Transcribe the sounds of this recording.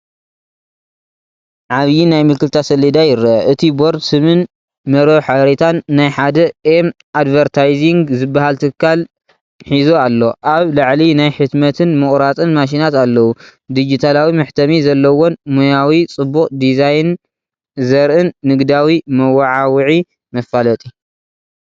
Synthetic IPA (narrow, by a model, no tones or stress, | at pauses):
ʕaβjinajmɨkːɨlt̪ʰasɐlːid̪ajɪɾɐɐʔɨt̪ʰiboɾd̪sɨmɨn | mɐɾoħaɾet̪ʰanːajħad̪ɐem | ad̪vɐɾt̪ʰajziŋɡzɨbːahalt̪ʰɨkʰːal | ħizoalːo̞ʔaβlaʕlinajħɨt̪mɐt̪ʰɨnmɨχʼɾat͡sʼɨnmaʃ̬inat̪alːɐwud̪id͡ʒit̪ʰalawimɨħt̪ʰɐmizɐlːɐwonmojawit͡sʼɨbːuqʼd̪izajn | zɐɾʔɨnːɨɡd̪awimɐwaʕawʕi | mɐfalɐt̪ʼi